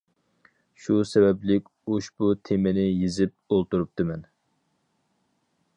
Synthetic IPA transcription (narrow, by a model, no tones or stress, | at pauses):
ʃusɛbɛblɪkʲoʃbut̪ʰemɪnɪjizɪp̚olˠt̪uɾup̚t̪ɨmɛn